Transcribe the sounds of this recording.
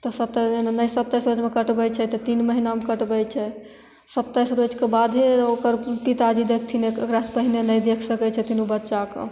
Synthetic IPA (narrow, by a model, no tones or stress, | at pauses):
t̪ɔsət̪ːənəjsət̪ːəjsɾod͡ʒmekəʈbɛt͡ʃʰɛt̪ɔt̪inməɦinamekəʈbɛt͡ʃʰɛ | sət̪ːəjsɾod͡ʒkebad̪ʱɦeokəɾpit̪ad͡ʒid̪ekʰt̪ʰinekekɾaspəɦinenəjd̪ekʰsəkɛt͡ʃʰɛt̪inubətːʃakḛ